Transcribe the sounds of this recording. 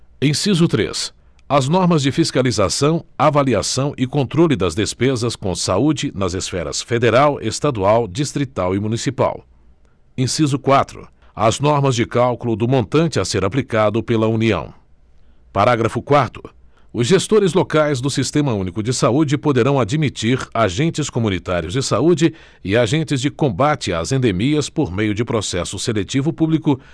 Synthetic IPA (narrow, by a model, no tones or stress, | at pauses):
ẽj̃sizʊt̪ɾḛs | ɐznɔɾmɐzd͡ʒɪfiskalizasɐ̃w̃avaliasɐ̃w̃ʔɪkõnt̪ɾolɪd̪ɐzd̪espezɐskõsaud͡ʒɪnɐzesfɛɾɐ̰sfed̪eɾawʔḛst̪ad̪uawd͡ʒist̪ɾit̪awɪmũnisipa̰w | ẽj̃sizʊkwat̪ɾʊ̰ | ɐznɔɾmɐzd͡ʒɪkawkulʊd̪ʊmõnt̪ɐ̃nt͡ʃɪaseɾaplikad̪ʊpelɐuniɐ̰̃w̃ | paɾaɡɾɐfʊkwaɾt̪ʊ̥ | ʊzʒest̪oɾɪzlokajzd̪ʊsist̪ẽmɐũnikʊd͡ʒɪsaud͡ʒɪpod̪eɾɐ̃w̃ad͡ʒimit͡ʃiɾaʒẽnt͡ʃɪskomũnit̪aɾiʊzd͡ʒɪsaud͡ʒɪ | ɪaʒẽnt͡ʃɪzd͡ʒɪkõbat͡ʃɪa̰zẽnd̪emiɐspoɾmejʊd͡ʒɪpɾosɛsʊselet͡ʃivʊpublikʊ